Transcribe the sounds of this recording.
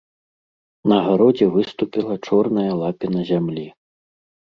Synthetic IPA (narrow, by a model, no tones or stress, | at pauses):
nɐɣaɾɔd͡zʲɛvɨst̪upʲilˠɐt͡ʂɔrnɐjɐlˠapʲinɐzʲamlʲi